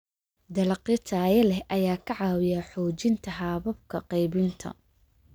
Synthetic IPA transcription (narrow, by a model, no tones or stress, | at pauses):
d̪ɐlɐqɪt̪ʰaːjɐlɛhʔɐjaːkʰɐʕɑːwɪjaħɔːt͡ʃɪnt̪ʰɐɦaːβɐb̚kʰɐqɑjβɪnt̪ʰɐ̰